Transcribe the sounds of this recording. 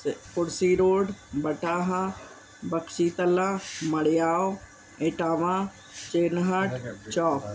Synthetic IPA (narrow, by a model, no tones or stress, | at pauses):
kʊɽsiɾoːɖbɐʈaːɦa | bɐksiːt̪ɐlãmɐɽɪjaːo | eːʈaːʋã | t͡ʃeːnɦɐʈt͡ʃɔːp